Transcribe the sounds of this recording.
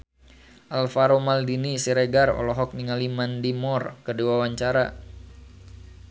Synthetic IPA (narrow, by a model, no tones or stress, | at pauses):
ʔalfaɾomaldinisiɾeɡarɔ̰lɔɦɔk̚niŋalimandimɔrkədiwawaɲt͡ʃaɾa